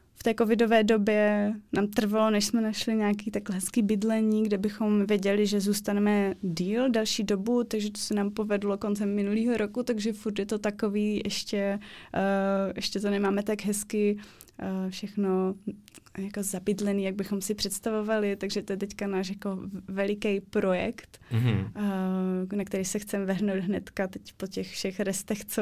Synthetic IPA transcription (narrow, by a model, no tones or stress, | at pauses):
ft̪ɛːko̞vɪdo̞vɛːdo̞bjɛnaːmt̪r̩valo̞nɛʃsmɛnaʃlɪɲaːk̬iːt̪akɦɛskiːbɪdlɛɲiːɡdɛbɪxo̞mvjɛɟɛlɪʒɛzuːst̪anɛmɛdiːldɛlʃiːdobut̪aɡʒɛt̪o̥sɛnaːmpovɛdlokont͡sɛmːɪnuliːɦoɾokut̪aɡʒɛfuɾt̪jɛt̪o̞t̪akoviːʔɛʃcɛ | ʔɛʃcɛt̪onɛmaːmɛt̪aɡɦɛskɪ | fʃɛxno | jako̞zabɪdlɛniːjaɡ̚bɪxomsɪpr̝̥ɛt̪st̪avovalɪt̪aɡʒɛt̪ojɛt̪ɛckanaːʃjako̞vɛlɪkɛjpɾojɛ̰kt̪ | nakt̪ɛɾisɛxt͡sɛmɛvɛɦnowd̪ɦnɛt̪kat̪ɛcpocɛxfʃɛxɾɛst̪ɛxt͡so